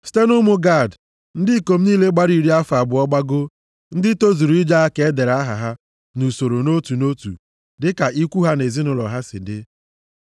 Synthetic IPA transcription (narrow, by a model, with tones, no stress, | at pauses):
si̥˦te˦nʊ˦mʊ˦ɡa˦˨d | n̩˦dɪ˦˨ko˨m̩˦niː˦le˦ɡ͡ba˦ɾi˨ɾi˦a˦fa˨bʊ˨ɔ˦ɡ͡ba˦ɡo˦ | n̩˦dɪ˦to˦zu˨ɾu˨i˦d͡ʒa˦a˦ke˨e˦de˨ɾa˦ɦa̰˨ɦa˦ | nu˨so˨ɾo˨no˦tu˨no˦tṵ˨ | dɪ˦ka˨ʔi˦kʷu˦ɦa˦ne˨zi˦nʊ˨lɔ̰˨ɦa˦sɪ̰˨dɪ˦